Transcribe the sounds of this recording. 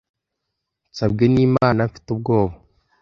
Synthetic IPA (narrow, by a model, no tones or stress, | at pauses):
t͡sabɡeniːmaːnamfi̥tub̚ɡo̞ːβa